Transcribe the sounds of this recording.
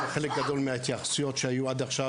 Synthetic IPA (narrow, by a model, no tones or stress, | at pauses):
χelek̚ɡad̪o̞lmeat̪jaχsujot̪ʃeajuad̪aχʃa